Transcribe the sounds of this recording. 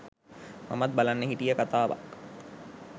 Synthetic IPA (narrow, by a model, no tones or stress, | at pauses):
ma̰mat̪̚balanːəɦiʈijəkat̪aːʋa̰k